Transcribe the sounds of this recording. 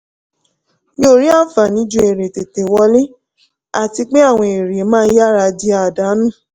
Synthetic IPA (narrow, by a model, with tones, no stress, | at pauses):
nĩ˦o˨ɾi˦a˦˨fa˨nĩ˨˦d͡ʒu˧˦e˨ɾe˨te˨te˨wɔ˧le˦ | a˦˨ti˧k͡pe˦a˦˨w̃ɔ̃˧e˨ɾe˨˦mãː˦˧˦ja˦ɾa˧di˧a˧˨da˨˦nũ˦˨